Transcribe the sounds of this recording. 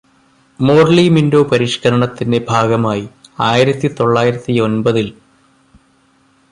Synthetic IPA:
mo̞ːrlimindo̞ːpɐɾiʂkɐɾɐɳɐt̪ːinde̞bʱaːɡɐmaːjiaːjiɾɐt̪ːit̪o̞ɭːaːjiɾɐt̪ːio̞nbɐðil

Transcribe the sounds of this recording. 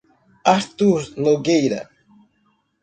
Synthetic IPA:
aɾt̪uɾnoɡejɾɐ̰

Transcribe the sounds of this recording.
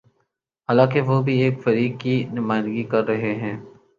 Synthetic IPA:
ɦaːlãːkeʋoːbʱieːkfɐɾiːkːinʊmaːɪnd̪ɡikɐɾːɐɦeɦɛ̃ː

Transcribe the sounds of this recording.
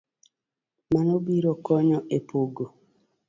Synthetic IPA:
manobiɾokɔɲɔʔepoɡo

